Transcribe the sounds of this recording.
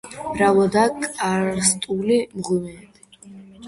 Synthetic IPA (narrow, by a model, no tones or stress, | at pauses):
ɾawɔd̪akʼaɾst̪ʼulimʁumɛt̪ʼ